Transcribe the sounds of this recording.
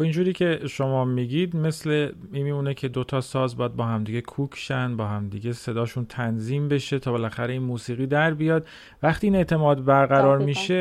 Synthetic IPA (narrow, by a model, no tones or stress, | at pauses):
ind͡ʒuːɾiːcʰe̞ʃo̞mɒːmiɟid̪mesle̞miːmiuːnecʰe̞d̪o̞t̪ʰɒːsɒːzbɒːjæd̪̚bɒːɦæmd̪iːɟe̞kʰuːkʰʃænbɒːhæmd̪iɟe̞se̞d̪ɒːʃunt̪ʰænziːmbeʃe̞t̪ʰɒːbe̞læxæɾe̞inmuːsiːɣiːd̪æɾbijɒːd̪ | væχt̪ʰiːiːne̞ʔt̪ʰe̞mɒːd̪bæɾɣæɾɒːɾmiʃe